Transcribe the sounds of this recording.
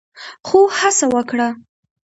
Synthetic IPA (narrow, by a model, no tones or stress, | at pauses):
xohasawəkɽa